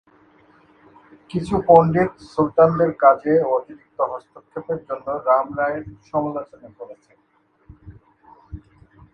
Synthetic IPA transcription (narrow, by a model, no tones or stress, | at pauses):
kit͡ɕʰupoɳɖiɾsulʈ̪and̪eɾkad͡ʑeot̪iɾik̚t̪oɦɔst̪okʰːepeɾd͡ʑonːoɾamɾaeɾʃɔmolot͡ɕonekoɾet͡ɕʰe